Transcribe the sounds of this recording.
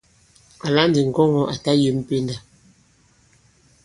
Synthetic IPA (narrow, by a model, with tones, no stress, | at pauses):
a˨la˦n˦di˨ŋ̩˨ɡɔ˦ŋɔ˨ʔa˨ta˦je˨m̩˦˨pe˦nda˨